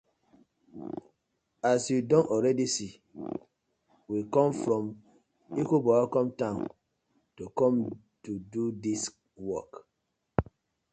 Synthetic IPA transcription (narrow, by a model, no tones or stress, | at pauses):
asjudɔ̃nɔɹɛdisi | wikɔ̃mfɹɔ̃m | ikobɔakɔ̃mtãʊ̃n | tukɔ̃m | tududis | wɔk